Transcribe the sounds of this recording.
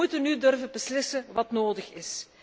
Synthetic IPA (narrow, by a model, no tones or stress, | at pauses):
utənydɵrvəbəslɪsəʋɑtnoːdəxɪs